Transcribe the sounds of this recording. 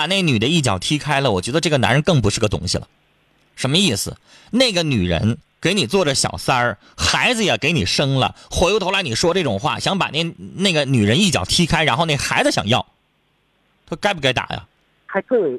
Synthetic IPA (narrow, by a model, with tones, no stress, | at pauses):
a˨˩ne˥˩ny˨˩d̪ə˦i˥˩t͡ɕjɑ̰˨˩ʊt̪ʰi˥kʰa˥ɪlə˨wɔ˨˩t͡ɕɥɛ˧˥d̪ə˧ʈ͡ʂɤ˥˩ɡə˩na̰˧˥nɻə˧˥nkɤ˥˩ŋp̬u˧˥ʂɻ̩˥˩ɡə˩t̪ʊ̰˥ŋɕḭ˨˩lə̰˩ | ʂə˧˥nmə˧i˥˩sɹ̩̰˩ | ne˥˩ɪɡə˩ny˨˩ɻə̰˧˥nke˧˥ɪni˨˩t͡swɔ˥˩ʈ͡ʂə˩ɕjɑ̰˨˩ʊsa˥ | xa˧˥ɪd͡zɹ̩˧jɛ˨˩ke˧˥ɪni˨˩ʂɤ˥ŋlə̰˨xwe˧˥lt̪ʰo˧˥ʊla˧˥ɪni˨˩ʂwɔ˥ʈ͡ʂɤ˥˩ʈ͡ʂʊ˨˩ŋxwa̰˥˩ɕjɑ˧˥ŋpa̰˨˩ne˥˩ɪne˥˩ɡə˩ny˨˩ɻə˧˥ni˥˩t͡ɕjɑ˨˩ʊt̪ʰi˥kʰa˥ɪɻa˧˥nxo˥˧ʊne˥˩xa˧˥ɪd͡zɹ̩˧˩ɕjɑ̰˨˩ŋjɑ̰˥˩ʊ | t̪ʰo˥ka˥ɪp̬u˧ka˥ɪt̪a̰˨˩˦jɐ̰˦ | xa˧˥ɪtʰə˥˩˨